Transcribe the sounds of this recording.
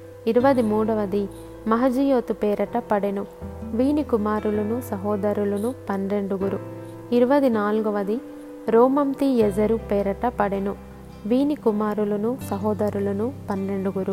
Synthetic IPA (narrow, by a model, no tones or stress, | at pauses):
iɾuʋɐd̪imuːɽɐʋɐd̪i | mɐɦɐd͡ʒijoːt̪upɛːɾɐʈɐpɐɽenuʋiːnikumaːɾulɐnusɐɦɔːd̪ɐɾulɐnupɐnɾe̞ɳɖuɡuɾu | iɾuʋɐd̪inaːlɡuʋɐd̪i | ɾoːmɐmt̪iɛd͡ʒɐɾupɛːɾɐʈɐpɐɽenu | ʋiːnikumaːɾulɐnusɐɦɔːd̪ɐɾulɐnupɐnɾe̞ɳɖuɡuɾu